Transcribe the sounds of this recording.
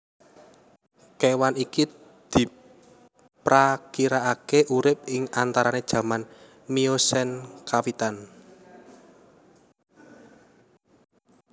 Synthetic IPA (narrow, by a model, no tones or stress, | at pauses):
kewaniki | d̪̥i̤ | pɾakiɾaakeʔuɾɪp̚ɪŋant̪aɾaned̥ʒ̥ä̤man | miosɛnkawit̪an